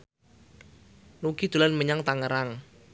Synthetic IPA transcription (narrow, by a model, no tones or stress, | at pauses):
lukid̪̥ulanməɲaŋt̪aŋəɾaŋ